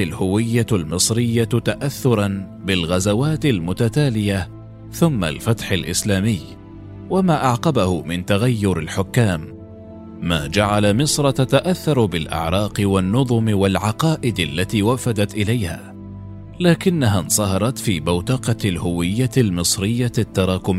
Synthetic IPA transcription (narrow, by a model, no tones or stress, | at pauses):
alhʊwɪjːalmɨsˤɾɪjːat̪aʔaθːʊɾˤɑn | bɪlɣazawaːt̪ɪlmʊt̪at̪aːlɪja | θʊmːa̰lfat̪ħalʔɪslaːmɪj | wamaːʔaʕqɑbahʊmɪnt̪aɣajːʊɾɪlħʊkːaːmː | a̰ːd͡ʒaʕalamɨsˤɾˤɑt̪at̪aʔaθːɑɾˤbɪlʔɪ̰ʕɾˤɑːqɪwanːʊðˤʊmɪwalʕɑqɑːʔɪd̪alːat̪iːwafad̪at̪ʔɪlajha̰ː | laːkɪnːaɦansˤɑhɑɾˤɑt̪fiːbawt̪ɑqɑlhʊwɪjːalmɨsˤɾɪjːat̪ːɑɾˤɑːkʊm